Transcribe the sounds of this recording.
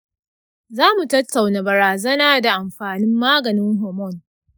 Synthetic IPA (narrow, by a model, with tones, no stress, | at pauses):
zaː˦mu˨tɐ˦tːa˨wna˨bɐ˨ɾaː˨zɐ˦naː˦da˨ʔa˨mɸaː˨nɪ˦mːaː˦ɡɐ˨nɪ˦ŋɦɔ˨mɔ˦˨n